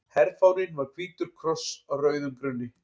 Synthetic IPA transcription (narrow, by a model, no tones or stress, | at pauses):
hɛɾfawnɪnvaɾkʰviːt̪ʏɾ̥kʰɾɔsawrœːɥðʏmkɾʏnːɪ